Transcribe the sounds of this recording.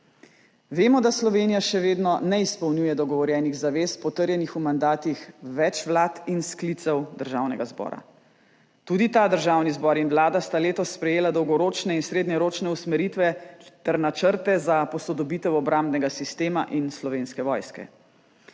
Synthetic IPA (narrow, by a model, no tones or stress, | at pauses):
ʋeːmɔd̪aslɔʋeːnijaʃɛʋeːd̪nɔnɛispɔwnuːjɛd̪ɔɡɔʋɔɾjɛːniɣzaʋeːspɔt̪əɾjɛnixumand̪aːt̪ixʋɛt͡ʃʋlaːt̪insklit̪sɛwd̪əɾʒawnɛ̰ɡazbɔ̰ːɾa̰ | t̪uːd̪it̪aːd̪əɾʒawnizbɔːɾinʋlaːd̪ast̪aleːt̪ɔsːpɾɛjeːlad̪ɔwɡɔɾoːt͡ʃnɛinsɾeːd̪nɛɾoːt͡ʃnɛusmɛɾit̪ʋɛt̪ɛɾnat͡ʃəɾt̪ɛzapɔsɔd̪ɔbiːt̪ɛwɔbɾamd̪nɛɡasist̪eːmaʔinslɔʋeːnskɛʋɔjskɛ̰